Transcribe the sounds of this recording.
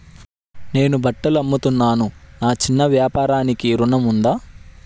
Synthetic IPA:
ne̞ːnubɐʈːɐlɐmːut̪unːaːnunaːt͡ʃinːɐʋjaːpaːɾaːnikiɾunɐmund̪aː

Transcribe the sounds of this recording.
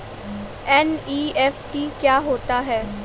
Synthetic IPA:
ɛniːɛfʈiːkjaːɦoːt̪aɦɛː

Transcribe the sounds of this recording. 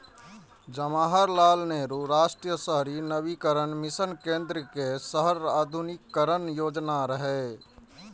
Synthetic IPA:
d͡ʒəmaːɦəɾlaːlneːɾuɾaːʃʈɾijəsəɦɾinəbikəɾənmɪsənkẽːnd̪ɾəkesəɦəɾaːd̪ʱunɪkːəɾənjoːd͡ʒnaɾəɦɛ

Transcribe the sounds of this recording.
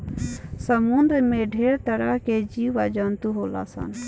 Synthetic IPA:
səmund̪ɾəmẽɖʱeːɾt̪əɽaɦked͡ʒiʋad͡ʒənt̪uɦoːla̰ːsə̰n

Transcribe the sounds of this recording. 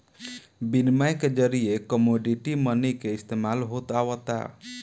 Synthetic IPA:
binmajked͡ʒəɾiekɔmoɖiʈimənikeist̪emalɦot̪awɔt̪a̰

